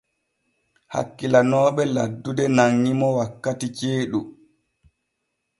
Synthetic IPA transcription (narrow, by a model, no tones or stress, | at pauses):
ha̰kːilanɔːɓɛla̰dːudɛnaŋːimɔwakːatit͡ʃeːɗu